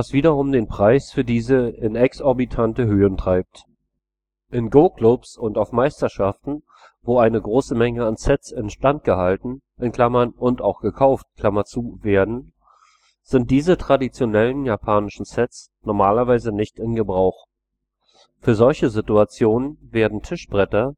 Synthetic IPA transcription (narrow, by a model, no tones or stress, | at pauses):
vasv̥iːdɐʁʊmdeːnpʁ̥aɪsfyːɐdiːzəɪnɛksɔɐbitʰantəɦøːəntʁ̥aɪp̚t | ʔɪnɡoːklʊpsʊntaʊfmaɪstɐʃaftn̩ | voːaɪnəɡʁoːsəmɛŋəansɛt͡sɪnʃtant̚ɡ̥əhaltn̩ | ʔɪnkʰl̥amɐnʊntaʊxɡ̥əkʰaʊft̚kʰl̥amat͡suːveːɐdn̩ | z̥ɪnt̚d̥iːzətʁ̥adit͡sjonɛlənjaːpʰaːnɪʃn̩sɛt͡s | nɔɐmaːlɐvaɪzənɪçtɪnɡəbʁaʊx | fyːɐzɔlçəzɪtuat͡sjoːnənveːɐdn̩tʰɪʃb̥ʁɛtɐ